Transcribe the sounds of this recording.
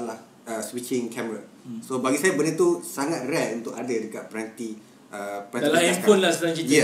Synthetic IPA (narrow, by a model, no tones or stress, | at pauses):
lah | əswit͡ʃɪ̃ŋkʰɛməɾa | sobaɡisajabənət̪usaŋat̪̚rɛʔunt̪ʊkadədəkat̪̚pəɾant̪i | əpəanilapʊnlahsɾãŋt͡ʃit̪ɛ